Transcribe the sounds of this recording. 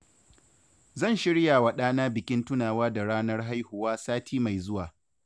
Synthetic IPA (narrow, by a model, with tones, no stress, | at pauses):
zɐ˦˨nʃɪ˦ɽjaː˨wa˨ɗaː˦naː˦bɪ˨kʲɪ˦ntʊ˦naː˨waː˦da˨ɽaː˦nɐ˦rɦa˦jhʊ˨waː˦saː˦tʰiː˦ma˨jzʊ˦waː˨